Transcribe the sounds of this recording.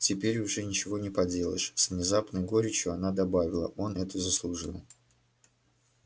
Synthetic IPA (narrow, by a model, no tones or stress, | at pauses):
tʲɪpʲeɾʲʊʐɛnʲɪt͡ɕɪvo̞nʲɪpɐdʲe̞lˠə̰ʂsvnʲɪzapnəjɡoɾʲɪt͡ɕjʊɐnad̪ɐbavʲɪlˠə̰ʔo̞nɛt̪ʊzəslˠʊʐɨlˠ